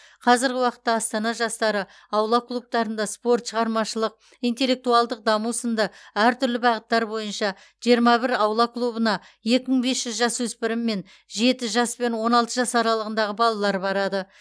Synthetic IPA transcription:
qʰɑzɪɾɡʲɪwɑqə̥t̪ːɑːst̪ɑnɑʒɑst̪ɑɾə | ɑwlˠɑklˠup̚t̪ɑɾənd̪ɑspo̞rt̪ʃəʁɑɾmɑʃəlˠəq̚ | ijnt̪e̞lːe̞k̚t̪uɑlˠd̪əq̚d̪ɑmusənd̪ɑæɾt̪ʰʏɾlɪbɑʁət̪ːɑɾbo̞jənʃɑ | ʒ̥ijəɾmɑbɪɾɑwlˠɑklˠubənɑ | je̞kʲɪməɴbe̞sʒʏzʒɑswɵspɪɾɪmːe̞n | ʒe̞t̪ɪʒɑspe̞nwo̞nɑlˠt̪əʒɑsɑɾɑlˠəʁənd̪ɑʁəbɑlˠɑlˠɑɾbɑɾɑd̪ə

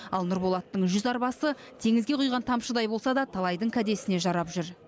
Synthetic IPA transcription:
ɑlˠnʊɾbolˠɑt̪ːəɴʒʏzɑɾbɑsə | t̪ʰe̞ŋɪzɡʲe̞qʰʊjʁɑnt̪ʰɑmʃəd̪ɑjbo̞lˠsɑd̪ɑt̪ʰɑlˠɑjd̪əɴkʲʰæd̪e̞sɪne̞ʒɑɾɑpʒʏɾ

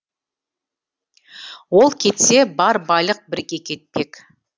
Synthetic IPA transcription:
wo̞lˠkʲʰe̞t̪se̞bɑɾbɑjlˠəq̚bɪɾkʲe̞kʲʰe̞t̪̚pe̞k

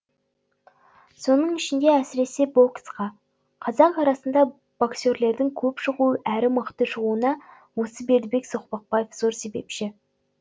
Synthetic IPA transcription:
so̞nəɴɪʃɪnd̪e̞æsɪɾe̞se̞bo̞ksqɑ | qʰɑzɑɴɑɾɑsənd̪ɑ | b̥okse̞ɾle̞ɾd̪ɪŋkʲʰɵpʃəʁuəʔæɾɪməqt̪əʃəʁuənɑ | wo̞səbe̞ɾd̪ɪbe̞ksoqpɑq̚pɑjefz̥o̞ɾse̞be̞̰pʃɪ

